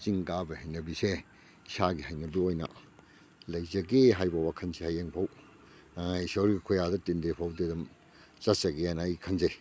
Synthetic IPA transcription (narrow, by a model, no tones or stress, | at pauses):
t͡ʃiŋɡabɐhajnɐbise | isaɡihɐjnɐbiojnɐ̰ | lɐjzɐɡeɦajbɐwakʰɐnsehajeŋpʰaw | isoɾɡikʰojadɐtindepʰawdedɐm | t͡ʃɐt̚sɐɡeanːjkʰɐnzej